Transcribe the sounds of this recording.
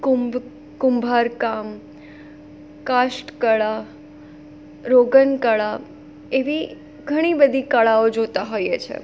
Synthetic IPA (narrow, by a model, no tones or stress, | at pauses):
kumb | kʊmbʱaɾkam | kaʃʈkəɭa | ɾoɡənkəɭa | eʋi | ɡʱəɽ̃ibəd̪ʱikəɭaod͡ʒot̪aɦojet͡ʃʰḛ